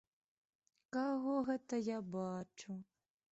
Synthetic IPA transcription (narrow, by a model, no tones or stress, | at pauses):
kaɣɔɣɛt̪ɐjabat͡ʂu